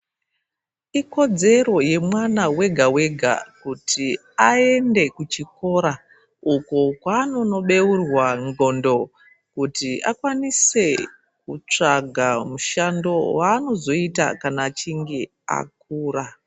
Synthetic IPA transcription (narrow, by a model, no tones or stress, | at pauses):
iko̞d͡ze̞ro̞je̞mwanawe̞ɡʱawe̞ɡʱa̰kutʰi | ae̞nde̞kut͡ʃiko̞ɾa | ukokwaːno̞no̞ɓe̞urwaŋɡo̞ndo̞ | kutiʔa̰kwanise̞ | kut͡ʂaɡʱamuʃando̞waːno̞zo̞ita̰kanat͡ʃiŋɡi | a̰k̚uːra